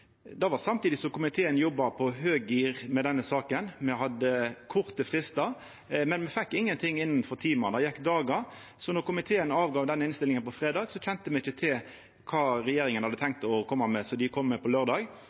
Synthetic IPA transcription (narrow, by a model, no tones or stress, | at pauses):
d̪ɑʋɑsɑmt̪iːd̪ɪsɔmkʊmɪt̪ʰeːənjɔbːɑpʰɔɦøːɡiːʁmɛd̪ɛnːəsɑːkənmɛɦɑd̪əkʰʊɾt̪əfɾɪst̪ɑ | mɛnmɛfɛkːɪŋːənt̪ʰɪŋːɪnːnfɔɾt̪ʰiːmɑnɑjɛkːd̪ɑːɡɑɾ | sɔnɔʁkʊmɪt̪ʰeːənɑːʋɡɑːʋd̪ɛnəɪnst̪ɪlɪŋənpɔfɾeːd̪ɑːɡsɔçɛnt̪əmɛɪçət̪ʰɪl | kʰɑːɾɛjeːɾɪŋənhɑd̪ət̪ʰɛŋk̚t̪ɔkʰɔmːɑmɛsɔd̪ɪkʰɔmːɛpʰɔløːɾd̪ɑːɡ